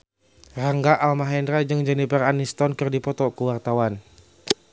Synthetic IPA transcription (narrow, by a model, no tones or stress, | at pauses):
raŋɡaʔalmaɦɛndrad͡ʒɨŋd͡ʒɛnipɛranist̪ɔnkɨrdipɔt̪ɔkəwart̪awan